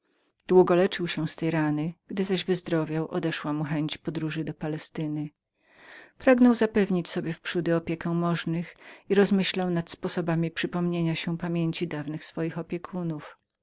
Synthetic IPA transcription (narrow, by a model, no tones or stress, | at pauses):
d̪̥wuɡɔlɛt͡ʂɘwɕɛ̃st̪ɛjɾanɘɡ̥d̪ɘzaʑvɘzd̪ɾɔvʲjawʔɔ̰d̪ɛʂwamuxɛɲt͡ɕpɔd̪ɾuʐɘd̪ɔpalɛst̪ɘnɘ | pɾaɡnɔwzapɛvɲit͡ɕsɔbʲjɛfpʂud̪ɘɔpʲjekɛ̃mɔʐnɘxiɾɔzmɘɕlawnat̪spɔsɔbamʲipʂɘpɔmɲeɲaɕɛpamʲjeɲt͡ɕid̪avnɘxsfɔjixɔpʲjɛkʰunuf